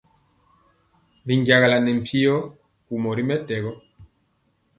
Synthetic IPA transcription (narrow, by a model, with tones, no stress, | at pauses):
mbi˨ŋɡja˨ɣa˨la˨nɛ˨m̩˨pʰi˦ɔ˦ | ku˨mɔ˨ɾi˦mɛ˦tɛ˨ɣɔ˦